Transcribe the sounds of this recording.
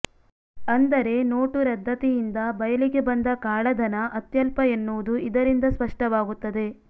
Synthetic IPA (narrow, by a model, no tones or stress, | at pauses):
ɐnd̪ɐɾe̞no̞ːʈuɾɐd̪ʱːɐt̪ɛjind̪ɐbɐjɐliɡe̞bɐnd̪ɐkaːɭɐd̪ʱɐnɐʔɐt̪jɐlpɐenːuʋud̪uid̪ɐɾind̪ɐspɐʂʈɐʋaːɡut̪ːɐd̪e̞